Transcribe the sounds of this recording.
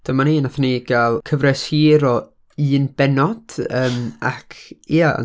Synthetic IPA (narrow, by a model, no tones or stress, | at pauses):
d̥əmaniːnaθəniɡalˠkʰəvrɛshiːɾɔ | ɨːnbɛnɔd̥əːma̰kʰiaa̰